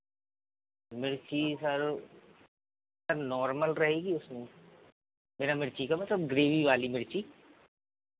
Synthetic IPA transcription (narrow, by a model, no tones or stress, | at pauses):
mɪɾt͡ʃisɐɾ | sɐɾnɔːɾməlɾɐɦeːɡiʊsmẽ | meːɾamɪɾt͡ʃikamɐt̪ləb̚ɡɾeːʋiʋaːlimɪɾt͡ʃiː